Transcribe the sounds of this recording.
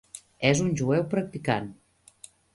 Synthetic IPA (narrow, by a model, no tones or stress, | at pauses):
ɛzunʲʒuɛwpɾək̚t̪ikan